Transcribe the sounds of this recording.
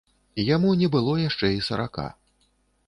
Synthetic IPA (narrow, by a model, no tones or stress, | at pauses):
ijamunʲɛbɨlˠɔjaʂt͡ʂɛisɐɾa̰ka̰